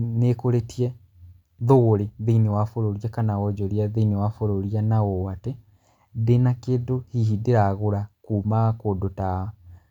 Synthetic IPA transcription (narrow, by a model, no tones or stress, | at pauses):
nekoɾetiɛ | ðoɣoɾeðiinewafoɾoɾiakanawɔd͡ʒoɾiaðiinewafoɾoɾianaowate | ðenakeːdohihideɾaɣoɾakuːmakoːdota